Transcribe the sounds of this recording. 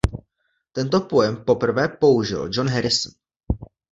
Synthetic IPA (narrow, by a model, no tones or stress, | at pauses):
t̪ɛnt̪̬o̞po̞jɛmpo̞pr̩vɛːpo̞uʒɪ̰ld͡ʒonɦɛɾɪsn